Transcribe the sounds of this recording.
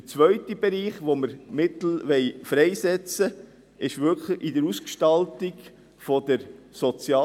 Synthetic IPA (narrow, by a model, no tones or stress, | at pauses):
ət͡sʋœʏt̪ib̥ɛɾiːχʋoməɾmɪt̪l̩ʋɛɪfɾɛɪsɛt͡sə | ɪʃʋʏɾkʰləidəɾuskʃtɑltiɡ | fɔd̪̥əɾsɔt͡sjɑː